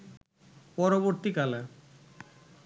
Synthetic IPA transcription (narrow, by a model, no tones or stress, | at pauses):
pɔɾoβoɾt̪ikala